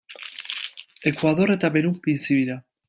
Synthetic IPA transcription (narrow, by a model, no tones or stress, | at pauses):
e̞kwaðo̞ɾe̞t̪aβeɾupinsiβiɾa